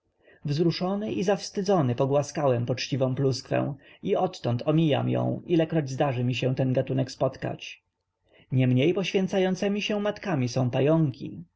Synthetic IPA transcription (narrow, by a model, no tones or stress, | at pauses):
vzɾuʂɔnɘʔizafst̪ɘd̪ɔnɘpɔɡwaskawɛmpɔt͡ʂt͡ɕivɔ̃w̃pluskfɛ̰̃w̃iɔt̪ːɔnt̪ʰɔmʲija̰mjɔ̰̃w̃ilɛkɾɔd͡ʑzd̪aʐɘmʲiɕ̬ɛ̃w̃t̪ɛnɡat̪unɛkspɔt̪ka̰t͡ɕ | ɲɛmɲejpɔɕfʲjɛnt̪sajɔnt̪sɛmʲiɕɛw̃mat̪kamʲisɔ̃w̃pajɔŋkʲḭ